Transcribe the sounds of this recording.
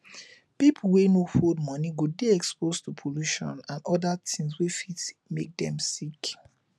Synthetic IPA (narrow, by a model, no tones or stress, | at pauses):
pipʰulwenofod̚mɔniɡudeɛkspostupʰoluʃɔ̰̃nãnɔdatʰĩŋswefitmek̚dɛ̰̃msik